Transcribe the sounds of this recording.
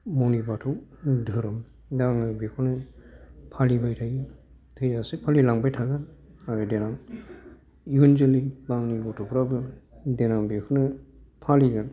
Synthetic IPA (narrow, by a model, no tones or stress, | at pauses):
mɔwnibatʰɔwdʱɯɾɯm | daŋɯbekʰɔnɯ | pʰalibajtʰajɯ | tʰɯjasipʰalilaŋbajtʰaɡaaɡadenaŋ | iunzɯlibaŋniɡɔtʰɔpʰɾabɯdenaŋbekʰunɯ | pʰaliɡɯn